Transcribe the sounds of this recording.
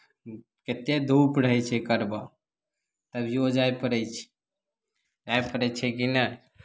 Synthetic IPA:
ket̪ed̪ʱupɾəɦɛt͡ʃʰɛkəɾba | t̪əbʱiod͡ʒajpəɾət͡ʃʰ | d͡ʒajpəɾɛt͡ʃʰɛkinə

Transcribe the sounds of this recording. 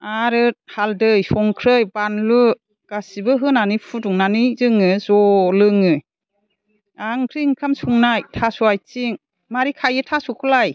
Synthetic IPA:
aɾɯhaldɯjsɔŋkʰɾɯjbanlu | ɡ̥asibɯɦɯnanipʰutuŋnanizɯŋɯzɔlɯŋɯ | aŋkʰɾiŋkʰamsuŋnajtʰasuajt͡ʃiŋ | maɾikʰajɯtʰasukʰɯlaj

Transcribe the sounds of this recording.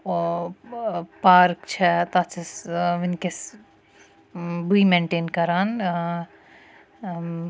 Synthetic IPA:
paːɾkt͡ʃʰɛt̪at͡ʃʰɐsʋinkes | buimẽɳʈeːnkɐɾaːn

